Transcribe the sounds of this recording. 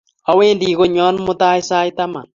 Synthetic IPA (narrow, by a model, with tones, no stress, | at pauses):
a˨˦weː˦ndiː˨ko˨ɲɔ˦nmʊ˦ta˦jsaː˦jta˦ma̰˨n